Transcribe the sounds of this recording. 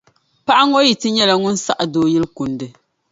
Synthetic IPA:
pa˦ʔa˦ŋo˦ji˨tɨ˦ɲɛ˦la˨ŋʊ˦n˦sa˦ʔa˨doː˦jɪ˦lku˨ndɨ˨

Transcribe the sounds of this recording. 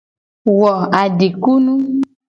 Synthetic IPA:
wɔ˨a˨ɖe˨ku˦nũ˦

